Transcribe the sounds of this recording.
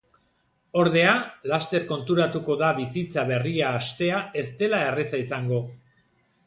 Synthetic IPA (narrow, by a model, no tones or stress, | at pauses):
o̞ɾðe̞alast̪e̞ɾko̞nt̪uɾat̪uko̞ðaβisit͡saβe̞riaːst̪e̞ae̞st̪e̞lae̞resaisaŋɡo̞